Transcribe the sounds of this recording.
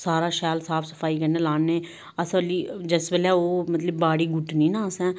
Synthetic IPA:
saːɾaːʃaːlsaːpʰsə̥pʰaːiːkəɾneːlaːnneː | əsəliːd͡ʒəsbəlɛːoːmət̪ləbːaːɽiːɡʊʈniːnãːəsɛ̃ː

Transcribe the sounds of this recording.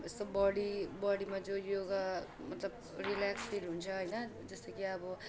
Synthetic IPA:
est̪ʌbʌɽibʌɽimad͡zõjoɡa | mʌt̪lʌb | rilakspiɾɦunt͡sʰʌɦʌjnʌd͡zʌst̪ʌkiʌbʌ

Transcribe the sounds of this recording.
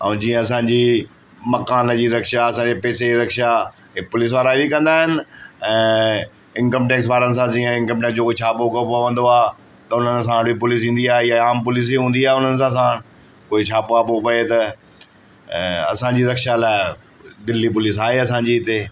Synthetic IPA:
ãd͡ʑĩːə̃ɐsãːɲd͡ʑiː | mɐkaːnd͡ʑiːɾɐkʃaɐsãɲd͡ʑipɛːsed͡ʑiɾɐkʃa | ɪpʊlɪːs̬ʋaːɾaɦibʱikɐ̃nd̪aːɦɪnɪ̆ɛ̃ː | ɪ̃nkə̃mʈeːksʋaːɾənɪ̆s̬ãd͡ʑĩːə̃ɪ̃nkə̃mʈeːksd͡ʑoːkoːit͡ɕʰaːpokɐpaʋɐ̃nd̪oaː | t̪ɐʊn̤əns̬ãɽipʊlɪːs̬ĩːnd̪iaːɦejaaːmpʊliːs̬iɦũːnd̪iaːɦeʊn̤ənɪ̆s̬ãs̬ãː | koːit͡ɕʰaːpoapopɐet̪ɐ | ɐ̰sãɲd͡ʑiːɾɐkʃalaːɪ | d̪ɪlːip̬ʊlɪːsaːɦeɐsãːɲd͡ʑiːɪt̪e

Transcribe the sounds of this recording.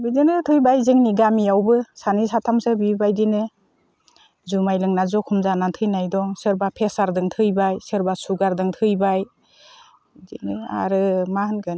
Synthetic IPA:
bidinɯtʰɯjbajzɯŋniɡamijawbɯsanisatʰamsɯbibajdinɯ | zumajlɯŋnazɔkʰumzanantʰɯjnajdɔŋsɯɾbapʰesaɾdɯŋtʰɯjbajsɯɾbasuɡaɾdɯŋtʰɯjbaj | dḭnɯa̰ɾɯmahɯnkʰɯn

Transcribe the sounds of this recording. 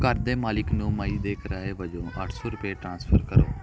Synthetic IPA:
kəɾd̪eːmaːlɪknũːməiːd̪eːkəɾaːeʋəd͡ʒõːʔəʈʰsɔːɾʊpeʈɾãːnspʰəɾkəɾoː

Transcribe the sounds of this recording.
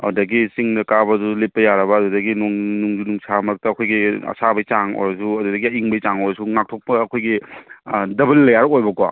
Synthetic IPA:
ɐ̰dɐɡisiŋdɐkabɐdulepːɐjaɾɐbɐːdudɐɡinuŋnuŋd͡ʒunuŋsamɐɾɐk̚tɐːkʰojɡiɐ̰sabɐjt͡ʃaŋo̰jɾɐsuɐdudɐɡiɐiŋbɐjt͡ʃaŋojɾɐsuŋak̚tʰok̚pɐːkʰojɡi | dɐbɐlːɐjaɾojbɐkwa̰

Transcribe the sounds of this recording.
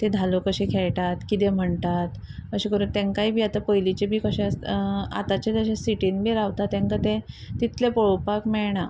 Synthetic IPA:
t̪ed̪ʱalokəɕekʰɛɭʈat̪kit̪em̤əɳt̪at̪kəɕẽkəɾuːnt̪ẽŋkaibʱiːat̪apəjlit͡ɕebʱiːkəɕẽa̰t̪at͡ɕet̪əɕẽsiʈinbʱiːɾaʋt̪at̪ːãŋkat̪e | t̪it̪lepɔɭpakmɛɭɳa

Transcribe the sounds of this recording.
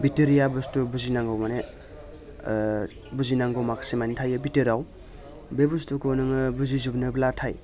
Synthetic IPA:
biteɾijabɯstubuzinaŋɡowmane | buzinaŋɡowmaksimanitʰajɯbiteɾaw | bebustukonɯŋɯbuzizubnɯblatʰaj

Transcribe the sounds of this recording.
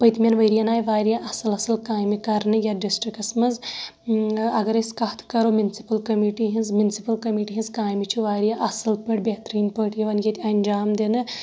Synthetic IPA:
pɐjt̪mʲenʋɐjɾijɐnaːjʋaːjɾjaʔɐsɨlɐsɨlkaːjmikɐɾnɨjaɖisʈɾikɐsmɐz | ɐɡɐɾɐskɐɦt̪ʰkɐɾoːmʲjunsi̥pɐlkɐmiʈiɦinzmjunsipɐlkɐmiːʈiɦinzkaːjmit͡ʃʰiʋaːɾijaʔɐsɨlpɐʈ̚bʲet̪ɾiːnpəʈjiʋɐnjet̪ʲɐnʲd͡ʒaːmd̪enɨ

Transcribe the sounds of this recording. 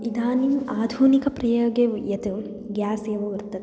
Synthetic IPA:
id̪aːnimaːd̪ʱuːnikɐpɾɐjoːɡejɐt̪u | ɡjaːseːʋɐʋɐɾt̪ːɐt̪

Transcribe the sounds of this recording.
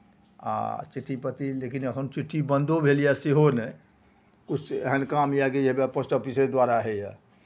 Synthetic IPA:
a̰t͡ʃiʈʰːipət̪ilekinəkʰənt͡ʃiʈʰːibənd̪obʱelijaseɦonɛ | kut͡ʃʰɦɛnkamijaɡed͡ʒebapəsʈəpised̪waɾaɦɛja

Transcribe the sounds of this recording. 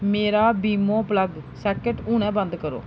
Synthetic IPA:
meːɾaːbiːmõːpləɡsɛːkəʈuːñɛ̃ːbə̃nd̪kəɾo̰ː

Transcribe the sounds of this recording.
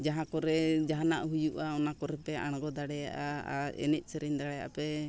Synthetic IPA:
d͡ʒaɦãkɔɾɛd͡ʒaɦana̰ʔɦujuʔaɔnakɔɾɛpɛa̰ɽ̃ɡɔd̪aɽɛja̰ʔaa̰ɛ̰nɛc̪̚ˀsɛɾɛɲd̪aɽɛja̰ʔa̰pɛ

